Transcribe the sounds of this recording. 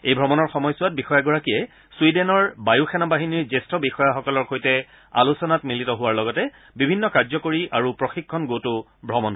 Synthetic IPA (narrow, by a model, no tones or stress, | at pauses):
ejbʱɔmɔnɔɹxɔmɔjsʊwat̚bixɔjaɡɔɹakijɛ | swidɛnɔɹbajuxʰɛnabaɦiniɹzestɔbixɔjaxɔkɔlɔɹkʰojtɛ | a̰lusɔnatmilitɔɦʊwaɹlɔɡɔtɛ | bibʱinːɔkaɹzɔkoɹiʔaɹupɹɔxikʰːɔnɡotʊ | bʱɹɔmɔn